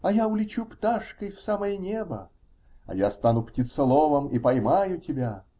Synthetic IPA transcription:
ɐjaʊlʲɪt͡ɕupt̪aʂkəjfsaməjənʲebə | ɐ̰jast̪anʊptʲɪt̪sɐlˠovəmipɐjmajʊtʲɪbʲa

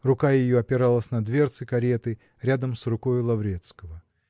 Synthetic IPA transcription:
rʊkajɪjoɐpʲɪɾalˠəsʲnɐd̪vʲe̞rt̪sɨkɐɾʲet̪ɨ | ɾʲad̪əmsrʊkojʊlˠɐvɾʲet̪skəvə

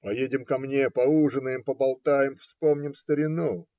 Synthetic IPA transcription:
pɐjedʲɪmkɐmnʲepɐuʐɨnəjɪmpəbɐlˠt̪ajɪmfspomnʲɪmst̪əɾʲɪnu

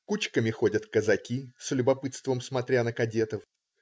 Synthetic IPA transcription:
kut͡ɕkəmʲɪxo̞dʲət̪kəzɐkʲislʲʊbɐpɨt̪st̪vəmsmɐt̪ɾʲanəkɐdʲe̞t̪əf

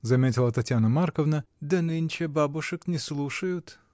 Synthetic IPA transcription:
zɐmʲetʲɪlˠət̪ɐtʲjanəmarkəvnəd̪ɐnɨnʲt͡ɕɪbabʊʂɨknʲɪslˠuʂəjʊt̪

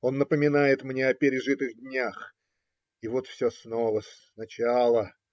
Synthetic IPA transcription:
o̞nːəpəmʲɪnajɪt̪mnʲe̞ɐpʲɪɾʲɪʐɨt̪ɨɣdʲnʲax | ivo̞t̪fsʲosno̞vəs | nɐt͡ɕalˠə

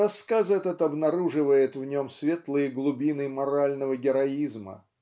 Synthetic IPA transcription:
ɐskazɛt̪ət̪ɐbnɐɾuʐɨvəjɪt̪vnʲo̞msvʲe̞t̪lˠɨjəɡlˠʊbʲinɨmɐɾalʲnəvəɡʲɪɾɐizmə̰

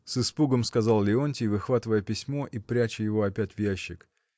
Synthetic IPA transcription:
sɨspuɡəmskɐzɑlˠlʲɪonʲtʲɪvɨxvat̪ɨvəjəpʲɪsʲmo̞ʔipɾʲæt͡ɕɪjɪvo̞ɐpʲætʲvjæɕːɪk

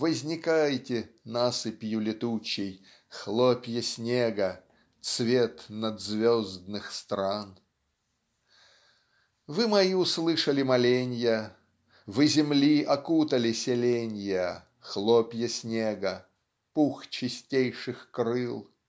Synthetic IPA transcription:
vəzʲnʲɪkajtʲɪnasɨpʲjʊlʲɪt̪ut͡ɕːɪj | xlˠopʲjəsʲnʲeɡə | t̪svʲet̪nɐd̪zvʲozd̪nɨxst̪ɾan | vɨmɐiʊslˠɨʂəlʲɪmɐlʲenʲjə | vɨzʲɪmlʲiʔɐkut̪əlʲɪsʲɪlʲenʲjə | xlˠopʲjəsʲnʲeɡə | puxt͡ɕɪsʲtʲejʂɨxkɾɨlˠ

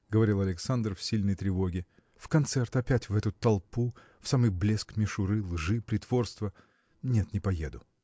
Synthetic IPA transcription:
ɡəvɐɾʲilˠɐlʲɪksand̪rfsʲilʲnəjt̪ɾʲɪvo̞ɡʲɪ | fkɐnt̪sɛrt̪ɐpʲætʲvɛt̪ʊt̪ɐlˠpu | fsamɨjblʲeskmʲɪʂʊɾɨlˠʐɨpɾʲɪt̪vo̞rst̪və | nʲe̞t̪nʲɪpɐjḛd̪ʊ

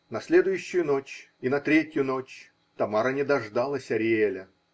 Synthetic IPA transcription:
nɐsʲlʲed̪ʊjʉɕːɪjʊno̞t͡ɕ | inɐt̪ɾʲetʲjʊno̞t͡ɕ | t̪ɐmaɾənʲɪd̪ɐʐd̪alˠəsʲɐɾʲɪelʲə

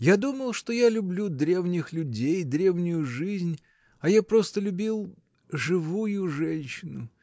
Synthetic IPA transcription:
jad̪uməlˠʂt̪o̞jalʲʊblʲud̪ɾʲe̞vnʲɪxlʲʊdʲejd̪ɾʲe̞vnʲʊjʊʐɨzʲnʲ | ɐjapɾo̞st̪əlʲʊbʲilˠ | ʐɨvujʊʐɛnʲɕɪnʊ

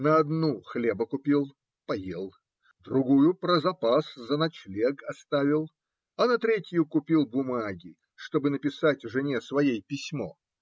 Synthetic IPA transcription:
nəɐd̪nuxlʲebəkʊpʲilˠ | pɐjḛlˠ | d̪ɾʊɡujʊpɾəzɐpaszənɐt͡ɕlʲeɡɐst̪avʲɪlˠ | ɐnɐt̪ɾʲetʲɪjʊkʊpʲilˠbʊmaɡʲɪ | ʂt̪o̞bɨnəpʲɪsatʲvʐɨnʲesvɐjejpʲɪsʲmo̰

